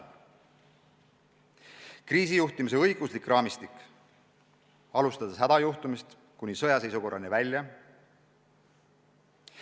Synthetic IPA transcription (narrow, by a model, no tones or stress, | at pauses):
kriːsijuht̪imise̞ɤjɡ̥uslikˑrʔɑːmist̪ik | ɑlust̪ɑd̪̥esɦæd̪ɑjuht̪umist̪ | kunʲisɤ̞jɑse̞jsuko̞rːɑnivælʲjɑ